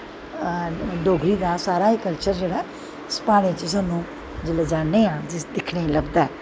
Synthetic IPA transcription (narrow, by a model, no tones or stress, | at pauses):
d̪oːɡʱɾiːd̪aːsaːɾaːikəlt͡ʃəɾd͡ʒeːɽa | spaːɽ̃ẽt͡ʃəsaːnũː | d͡ʒəled͡ʒaːnːeːãːd͡ʒɪsd̪ɪkʰneːləbd̪aːɛː